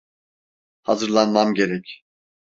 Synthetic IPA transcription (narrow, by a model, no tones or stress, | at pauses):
hazɯɾlˠanmamɟe̞ɾɛcʰ